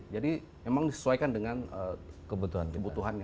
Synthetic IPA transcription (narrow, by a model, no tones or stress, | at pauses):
d͡ʒadi | memaŋdisə̥suajkandəŋanəkəbut̪uɦa̰nkəbut̪uɦan